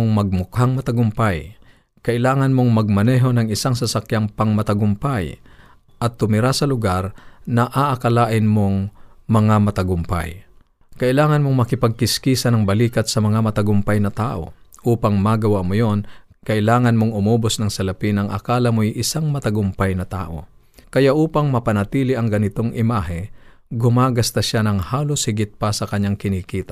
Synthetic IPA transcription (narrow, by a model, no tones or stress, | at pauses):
ŋmɐɡ̚mʊkhaŋmɐt̪ɐɡʊmpaj | kɐʔɪlaːŋɐnmoŋmɐɡ̚mɐnɛːɦo̞nɐŋɪsaŋs̬ɐsakjaŋpɐŋmɐt̪ɐɡʊmpaj | ʔɐt̪ːʊmɪɾasɐlʊɡaɾnɐʔaʔɐkɐlaːʔɪnmoŋmɐŋamɐt̪ɐɡʊmpa̰j | kɐʔɪlaːŋɐnmoŋmɐkɪpɐɡ̚kɪskiːsɐnɐŋbɐliːkɐt̪̚sɐmɐŋamɐt̪ɐɡʊmpajnɐt̪aːʔo̰ʔuːpaŋmaɡɐwaʔmojon | kɐʔɪlaːŋɐnmoŋʊmoːbosnɐŋsɐlɐpinɐŋʔɐ̰kaːlɐmojʔɪsaŋmɐt̪ɐɡʊmpajnɐt̪a̰ːʔo̞̰ | kɐjaʔuːpɐŋmɐpɐnɐt̪iːlɪʔɐŋɡɐnɪt̪o̞ŋʔɪmaːɦɛ | ɡʊmaːɡɐst̪ɐʃanɐŋhaːloshɪɡɪt̪̚pasɐkɐɲːaŋkɪnikiːt̪a